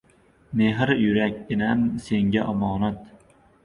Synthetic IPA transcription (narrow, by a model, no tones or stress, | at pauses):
meɦɪɾjʊɾak̚ʲːɪnamseŋʲaʔɒmɒːnat̪